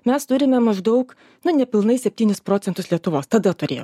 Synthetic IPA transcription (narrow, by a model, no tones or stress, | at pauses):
mʲɛst̪ʊɾʲɪmʲɛmɐʒd̪ɐʊk | nʊnʲɛpʲɪlˠnɐɪsʲɛpʲt̪ʲiːnʲɪspɾoːtt͡s̪ʲɛnt̪ʊslʲiɛt̪ʊʋoːst̪ɐd̪ɐt̪ʊɾʲeːjo